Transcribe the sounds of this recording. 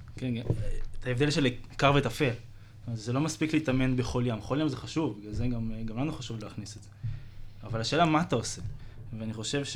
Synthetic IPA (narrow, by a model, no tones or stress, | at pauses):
kenɡat̪aevd̪elʃelikaʁvet̪afe̞l | ozelo̞maspikleit̪ame̞nbeχo̞ljamχo̞ljamzeχaʃuvazeɡamɡamlanuχaʃuvleːχnisedz̥eavalaʃeːlamaːt̪ao̞se̞veaniχo̞ʃe̞vʃ